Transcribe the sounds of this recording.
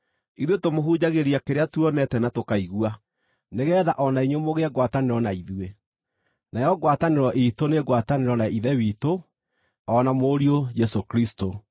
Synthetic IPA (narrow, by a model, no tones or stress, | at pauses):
iðwetomoɦud͡ʑaɣeɾiakeɾeatuɔnɛtɛnatokaiɣua | neɣɛːðaʔɔnaiɲomoɣeɛɡwataneɾɔnaiðwe | najɔɣwataneɾɔʔitoneɣwataneɾɔnaiðɛwito | ɔnamoːɾiojɛsokɾisto